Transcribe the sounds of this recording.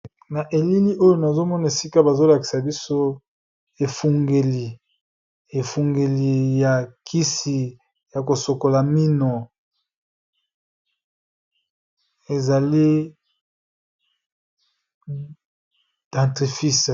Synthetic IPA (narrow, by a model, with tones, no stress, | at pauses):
na˨ʔe˨li˦li˦ʔo˦jo˨na˨zo˦mɔ˦na˨e˨si˦ka˦ba˨zo˦la˨ki˨sa˨bi˦so˦ | e˨fu˨ŋɡe˨li˨ | e˨fu˨ŋɡe˨li˨ja˨kʰi˦si˨ | ja˨ko˨so˨ko˨la˨mi˦no˨ | e˨za˨li˦ | d̥ã˨tʁi˨fi˦s